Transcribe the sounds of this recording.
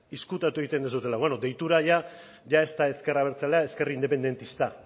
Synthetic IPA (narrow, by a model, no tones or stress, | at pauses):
iskut̪at̪ue̞ɣit̪e̞nd̪esut̪e̞laβeno̞d̪e̞jt̪uɾaʝa | ʝae̞st̪ae̞ske̞raβ̞e̞ɾt͡saleae̞ske̞rind̪e̞pe̞nd̪e̞nt̪ist̪a